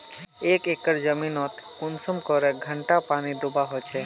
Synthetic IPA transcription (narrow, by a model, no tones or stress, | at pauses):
ekekəɾd͡ʒəminɔt̪kunsɔmkɔɾeɡʱəɳʈapanid̪ubaɦot͡ʃʰe